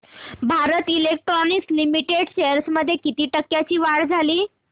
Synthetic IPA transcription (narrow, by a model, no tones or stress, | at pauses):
bʱaɾət̪ilek̚ʈɾɔnikslimiʈeɽɕeəɾsməd̪ʱːjekit̪iːʈəkːjat͡ɕiːʋaɽd͡zʱaliː